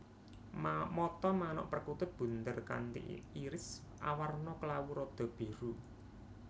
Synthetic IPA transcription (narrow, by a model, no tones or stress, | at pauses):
mamɔt̪ɔmanɔ̰ʔpərkut̪ʊt̪̚b̥ṳnt̪ərka̰nt̪ḭiɾɪs | ʔa̰warnɔkəlawuɾɔd̪̥ɔ̤b̥e̤ɾu